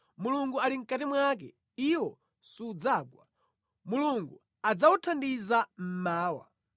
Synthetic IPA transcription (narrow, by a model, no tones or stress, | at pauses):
muluŋɡualiŋ̩katimwakɛ | iwɔ | suːd͡zaːɡwa̰ | muluŋɡu | ad͡zautʰandizam̩maːwa̰